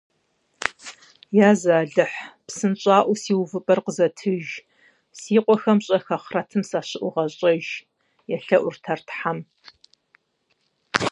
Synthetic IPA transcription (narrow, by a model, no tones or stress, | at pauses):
jaːzaːɮɨħpsɨnɕʼaːʔʷʊsiːwvɨpʼɐrqəzɐtʰɨʒ | siːqʷʼɔxɐmɕʼɐxɐχrɐtʰɨmsaːɕɪʔʷʊʁɐɕʼɐʒ | jɛɬɐʔʷʊrtʰɐrtħam